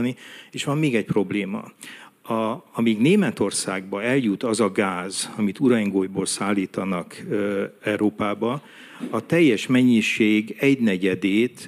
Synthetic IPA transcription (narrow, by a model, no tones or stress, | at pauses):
nieːʃʋɒmːeːɡɛc̚pro̞bleːmɒ̰ɒɒmiːɡneːmɛt̪o̞rsa̰ːɡbɒɛljut̪ɒzɒɡaːzɒmit̪uɾɒŋɡoːjboːlsaːlːiːt̪ɒnɒk | ɛuɾoːpaːbɒ | ɒt̪ɛjːɛʃmɛɲːiʃeːɡɛɟnɛɟɛd̪eːt̪